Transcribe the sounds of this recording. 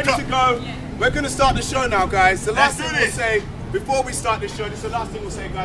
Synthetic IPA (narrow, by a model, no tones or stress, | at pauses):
ktʰɨɡoʊ | wɪɡʌnəstɑɹt̪̚ðɪʃoʊnaʊɡaɪzðəlasθɪ̃ŋɪseɪ | b̥ɨfɔːwistɑˑɹt̪̚ðɪsʃoʊðɪsðəlasθɪ̃ŋwɪlˠseɪɡaɪ